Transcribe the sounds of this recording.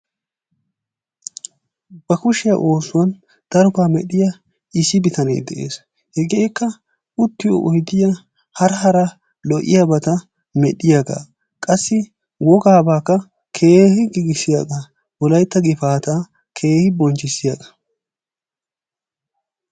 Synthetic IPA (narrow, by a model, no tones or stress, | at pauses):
b̥ɐkʊʃɪjɐ̰ʔo̞ːsʊwɐn | d̪̥ɐɾʊkaːmɛ̰ɗɪjɐ | ɪsɪbɪt̪ɐnḛːd̪ɛʔḛːs | hɛɡeːjkːɐ | ʊt̪ːɪjo̰ʔɔjd̪ɪjɐ | hɐɾɦɐɾɐ | lɔʔɪ̰jabɐt̪ɐ | mɛɗɪjaɡa̰ | kʼɐsːɪ | wɔɡaːbaːkːɐ | kʰe̞ːhɪɡɪɡɪsɪjaɡɐ | wɔlɐjt̪ːɐɡɪfaːt̪a | kʰe̞ːhɪbɔnt͡ʃːɪsɪjaɡɐ̥